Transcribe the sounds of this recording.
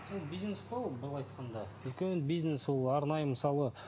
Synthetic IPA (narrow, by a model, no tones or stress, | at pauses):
ʒobijznesqʰolˠbəlˠɑjt̪qɑnd̪ɑ | ʏlkʲenbijzneswolˠɑɾnɑjəməsɑlˠə